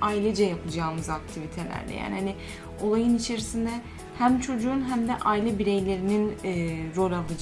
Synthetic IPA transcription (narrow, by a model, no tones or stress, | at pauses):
ailʲɛd͡ʒɛjapʰˠɯd͡ʒaːmɯzak̚t̪ʰivit̪ʰe̞lʲæ̰ɾlʲɛ̰ja̰ːnihani | o̞lˠajɯnit͡ʃʰe̞ɾisind̪ɛ | hæmt͡ʃʰo̞d͡ʒuːnɦæmd̪ɛʔajlʲɛbiɾe̞jlʲe̞ɾininːɾo̞lʲalˠɯd͡ʒ